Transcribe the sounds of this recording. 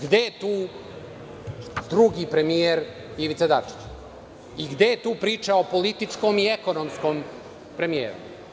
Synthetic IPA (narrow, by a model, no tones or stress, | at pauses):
ɡd̪et̪uː | d̪ɾuɡipɾe̞mieɾ | iʋit̪sad̪at͡ʂi̥t͡ɕ | iɡd̪ejet̪uːpɾiːt͡ʂaopo̞lit̪it͡ʂkomiekonomskoːm | pɾe̞mijḛːɾṵ